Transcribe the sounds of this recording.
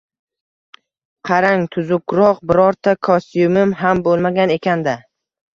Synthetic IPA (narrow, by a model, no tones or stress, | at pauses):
qʰɑɾaŋt̪ʰʊzʊkɾɒqbɪɾɒɾt̪ʰakʰɒst̪jʊmɪmɦambolˠmaɡʲane̞kʲʰand̪a